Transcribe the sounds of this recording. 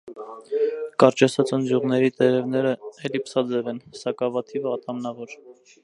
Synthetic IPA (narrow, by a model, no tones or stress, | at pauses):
kɑɾt͡ʃɛsʰɑt͡sənd͡z̪juʁnɛɾit̪ɛɾɛvn̪ɛɾəɛlipsɑd͡zɛvɛnsɑkɑvɑt̪ʰivɑt̪ʰɑmnɑvɔɾ